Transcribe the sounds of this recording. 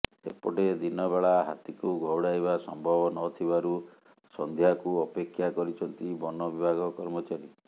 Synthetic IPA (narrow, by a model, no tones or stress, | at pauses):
sepɔʈed̪inɔbeɭaɦa̰t̪ikuɡʱɔwɽajbasɔmbʱɔbɔnɔt̪ʰibaɾu | sɔnd̪ʱjakuɔpekʰːjakɔɾit͡ʃʰɔnt̪ibɔnɔbibʱaɡɔkɔɾmɔt͡ʃaɾi